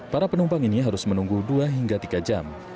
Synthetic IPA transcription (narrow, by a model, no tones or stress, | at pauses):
paɾapənumpaŋiniɦaɾʊsmənuŋɡuduaɦiŋɡat̪iɡad͡ʒam